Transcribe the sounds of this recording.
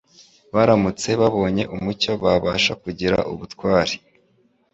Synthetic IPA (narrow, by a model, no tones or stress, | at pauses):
βaɾamut͡se̞βaβo̞ːɲe̞ʔumuco̞βaβaːʃakuɟiɾa̰ʔṵβutkwaːɾi̥